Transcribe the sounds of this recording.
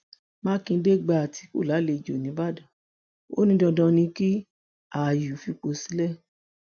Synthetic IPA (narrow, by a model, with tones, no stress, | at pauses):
mã˦kĩ˧˦de˦ɡ͡ba˧˨a˨tʰi˧ko̰˦˨la˨˦le˧d͡ʒo˨nĩ˨˦ba˦˨dã˨ | o̰˦nĩ˧˦dɔ̃˧dɔ̃˧nĩ˧ki˦ | a˨ju˨fi˧k͡po˧si̥˨˦lɛ˦˨